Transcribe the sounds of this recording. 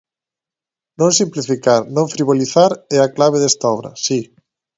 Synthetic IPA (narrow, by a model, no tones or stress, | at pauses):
nõŋsimplifikaɾnõɱfɾiβ̞oliθaɾɛaklaβ̞eðɛst̪aɔβɾɐ̰si